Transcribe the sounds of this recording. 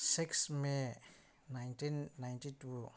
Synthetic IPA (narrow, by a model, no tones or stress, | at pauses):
siksme | najntinːajntitu